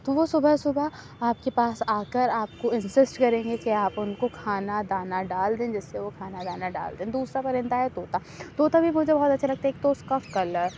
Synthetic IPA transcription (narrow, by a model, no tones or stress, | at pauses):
t̪oʋosʊbʱəsʊbʱa | aːp̚kepaːsaːkəɾaːp̚koɪ̃nsɪsʈkɐɾẽːŋɡekiaːpʊnkokʰaːnad̪aːnaɖaːld̪ẽːd͡ʒɛsːeʋokʰaːnad̪aːnaɖa̰ːld̪ẽːd̪uːsɾapɐɾɪ̃nt̪aɦɛt̪oːt̪a | t̪oːt̪abʱimʊd͡ʒʱebɔɦɔt̪ɐtːʃʰalɐɡ̚t̪aɦɛekt̪oʊskakɐl